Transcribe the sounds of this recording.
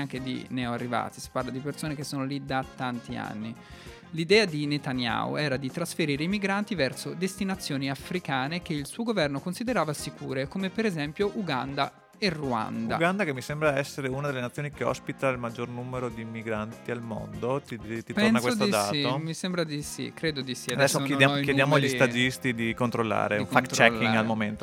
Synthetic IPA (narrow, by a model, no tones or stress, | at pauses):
aŋked̪ḭnɛoarːiva̰ːt̪isi̥parlad̪ipersoːnek̟esːoːnolid̪at̪ːant̪ia̰nːi | lid̪ɛːad̪inet̪anja̰o̰ɛːɾad̪it̪ɾasfeɾiːɾeimiɡɾant̪ivɛrsod̪est̪inat̪sːjoːniafɾikaːnekeilsuːoɡovɛrnokonsid̪eɾaːvasikṵːɾekomepeɾezɛmpjoʔuɡand̪a | erua̰nd̪a̰ɡand̪akemːisembɾaɛsːeɾeunad̪elːenat̪sːjoːnikeɔ̰spit̪ailmad͡ʒːornumeɾod̪imiɡɾant̪ialmo̰nd̪ot̪it̪it̪ponsnakːwesot̪t̪oid̪aːtimisembɾad̪isḭkɾeːd̪od̪isiadad̪ɛsːokjeakjed̪jaːmoalʎːist̪ad͡ʒist̪id̪ikont̪ɾolːa̰ːɾḛifankt̪t͡ʃɛlkːiɡalmoment̪o